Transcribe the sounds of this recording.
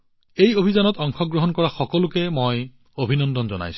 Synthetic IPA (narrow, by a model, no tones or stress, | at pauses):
ejobʱizanɔtɔŋxʰɔɡɹoɦɔnkɔɹaxɔkɔlʊkɛmoj | obʱinɔndɔnzɔ̰na̰js